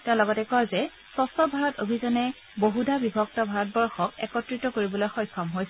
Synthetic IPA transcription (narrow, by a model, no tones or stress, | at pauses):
tɛʊ̃lɔɡɔtɛkɔjzɛ | sɔstɔbʱaɹɔtobʱizɔnɛ | boɦudabibʱɔk̚tɔbʱaɹɔt̚bɔɹxɔkɛ̰kɔtɹitɔkoɹibɔlojxɔjkʰːɔmɦojsɛ